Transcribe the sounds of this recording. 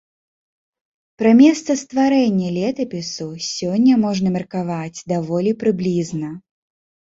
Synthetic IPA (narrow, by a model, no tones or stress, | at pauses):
pɾɐmʲɛst̪sɐst̪vaɾɛnʲːɐlʲɛt̪ɐpʲɪsusʲɔnʲːɐmɔʐnɐmʲɛrkavad͡zʲd̪avɔlʲipɾɨblʲiznɐ